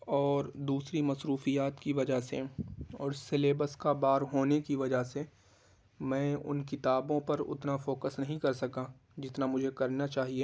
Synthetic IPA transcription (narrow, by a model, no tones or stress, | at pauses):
ɔːɾd̪uːsɾimɐsɾuːfijaːt̪kiʋɐd͡ʒaɦsḛɔːɾseleːbəskabaːɾɦoːnekiʋɐd͡ʒase | mɛ̃ːʊ̰nkɪt̪aːbõpɐɾʊ̰t̪nafoːkəsnɐɦĩkɐɾsɐkãː | d͡ʒɪt̪namʊd͡ʒʱekɐɾnat͡ʃaːɦie